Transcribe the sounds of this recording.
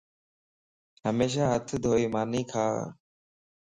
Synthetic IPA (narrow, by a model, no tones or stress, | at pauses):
ɦəmeːʃ̬aːɦət̪ʰd̪ʱoːiːmaːniːkʰa̰ː